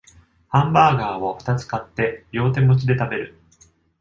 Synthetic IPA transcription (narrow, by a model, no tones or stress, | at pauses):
hãmbaːɡaːβoɸɯ̟̥t̪at͡sɨ̥kat̪ːe̞jo̞ːt̪̬e̞mo̞t͡ɕid̪e̞t̪abe̞ɾɯ̟